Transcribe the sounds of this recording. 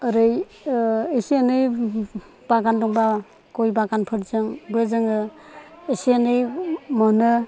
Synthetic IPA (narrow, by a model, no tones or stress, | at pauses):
ɯɾɯj | esianɯj | b̥aɡandɔŋba | kɔjbaɡanpʰɯɾzɯŋbɯzɯŋɯ | esianɯjmɔnɯ